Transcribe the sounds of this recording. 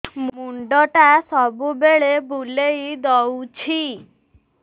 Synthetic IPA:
mmuɳɖɔʈasɔbubeɭebulejd̪ɔwt͡ɕʰi

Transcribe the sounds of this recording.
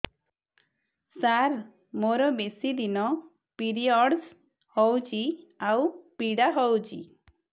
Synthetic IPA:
saɾ | moɾɔbesid̪inɔ | piɾiɔɽs | hɔwt͡ʃiawpiɽaɦɔwt͡ʃʰḭ

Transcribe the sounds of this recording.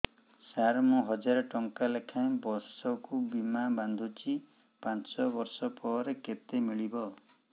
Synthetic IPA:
saɦaɾmũɦɔd͡ʒaɾɔʈɔŋkalekʰãẽbɔɾsɔkubimaband̪ʱut͡ʃi | pãsɔbɔɾsɔpɔɾeket̪emiɭibɔ

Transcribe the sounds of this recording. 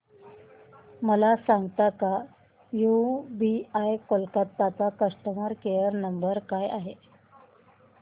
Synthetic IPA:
məlasaŋɡt̪aka | jubiajkolkat̪ːat͡sakəʂʈəməɾkejəɾnəmbəɾkajaɦe

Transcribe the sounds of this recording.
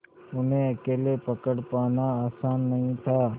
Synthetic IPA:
ʊnɦẽɐkeːlepɐkəɽpaːnaaːsaːnːɐɦĩt̪ʰaː

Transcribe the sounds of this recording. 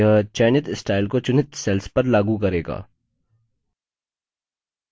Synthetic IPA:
ɦət͡ʃɛːnɪt̪sʈaːɪlkot͡ʃʊnɪt̪sɛːlspɐɾlaːɡukɐɾeːɡa̰ː

